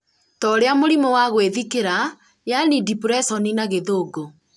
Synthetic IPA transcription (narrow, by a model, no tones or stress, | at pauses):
tɔɾeamoɾimowaɣweðikeɾa | janidipɾɛsɔninaɣeðoːɡo